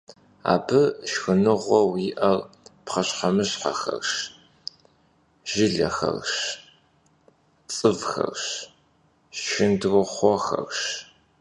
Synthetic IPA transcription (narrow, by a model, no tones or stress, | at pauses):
a̰ːbɨʃxɨnɨʁʷɔwɪʔɐrpχɐɕħɐmɨɕħɐxɐ̰rʃ | ʒ̥ɪɮɐ̰xɐ̰rʃ | t͡sʼɨvxɐ̰rɕ | ʃɪndrɨχʷɔxɐ̰rɕ